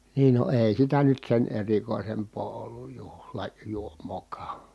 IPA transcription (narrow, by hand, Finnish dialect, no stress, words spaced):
niːn no eˑi̯ sitæ nyt sen erikoˑi̯sempˑoː olːuj juhlɑ juomˑoːkɑː